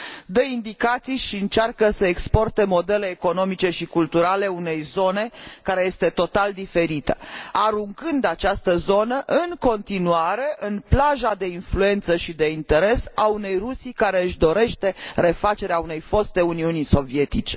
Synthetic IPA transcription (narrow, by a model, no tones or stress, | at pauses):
d̪eind̪ikat̪sijʃiɨnt͡ʃarkəsəekspo̞rt̪e̞mo̞d̪e̞le̞ːko̞no̞mit͡ʃe̞ʃikult̪uɾale̞une̞jzo̞ne̞kaɾe̞je̞st̪e̞t̪o̞t̪ald̪ife̞ɾit̪əaɾuŋkɨnd̪at͡ʃast̪əzo̞nəʔɨŋko̞nt̪inuaɾe̞ʔɨnplaʒad̪e̞influe̞nt̪səʃid̪e̞int̪e̞ɾe̞saune̞jrusikaɾe̞ɨʃd̪o̞ɾe̞ʃt̪e̞re̞fat͡ʃe̞ɾeaune̞jfo̞st̪e̞uniuniso̞vie̞t̪it͡ʃe̞